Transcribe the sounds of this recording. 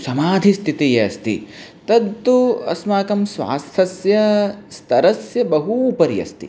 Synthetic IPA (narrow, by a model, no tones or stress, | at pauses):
sɐmaːd̪ʱist̪ʰit̪ijɐɐst̪ḭt̪ɐd̪t̪uɐ̰smaːkɐmsʋa̰ːst̪ʰɐsjɐst̪ʰɐɾɐsjɐbɐɦupɐɾjɐ̰st̪ḭ